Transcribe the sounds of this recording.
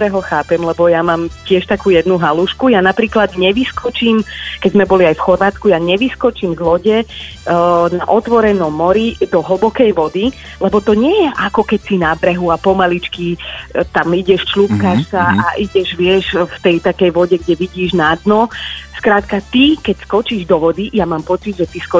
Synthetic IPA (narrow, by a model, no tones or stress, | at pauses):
ɾɛɦɔxaːpɛmlɛbɔjamaːmcɪɛʃt̪akuːjɛd̪nuɦaluʃkujanapɾiːklad̪ɲɛʋiskɔt͡ʃiːmkɛɟzmɛbɔliajfxɔɾʋaːt͡skujaɲɛʋiskɔt͡ʃiːmzlɔɟɛ | naʔɔt̪ʋɔɾɛnɔmːɔɾid̪ɔɦl̩bɔkɛjʋɔd̪i | lɛbɔt̪ɔɲɪɛjɛʔakɔkɛcsinabɾɛɦuapɔmalit͡ʃkit̪amiɟɛʃt͡ʃlupkaʃsaaʔiɟɛʒʋɪɛʃft̪ɛjt̪akɛjʋɔɟɛɡɟɛʋiɟiːʒnad̪nɔskɾaːt̪kat̪ikɛcskɔt͡ʃiːʒd̪ɔʋɔd̪ijamaːmpɔt͡sid̪ʒɛt̪iskɔ